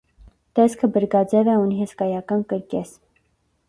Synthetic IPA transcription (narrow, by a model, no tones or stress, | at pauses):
t̪ɛskʰəbəɾɡɑd͡zɛvɛuniɦɛskɑjɑkɑnkəɾkɛs